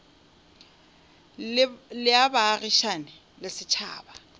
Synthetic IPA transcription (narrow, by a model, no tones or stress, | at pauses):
lɪabaːriʃanɪ | lɪsɪt͡ʃʰa̰ːba